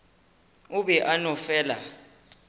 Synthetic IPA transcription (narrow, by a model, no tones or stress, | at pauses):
uɓɛʔanɔfɛːla̰